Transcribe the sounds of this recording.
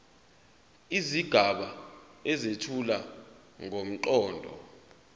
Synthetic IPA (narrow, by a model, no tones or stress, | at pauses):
iziɡ̥ʱaɓaɛzetʰula | ŋom̩ǃɔːndʱɔ̰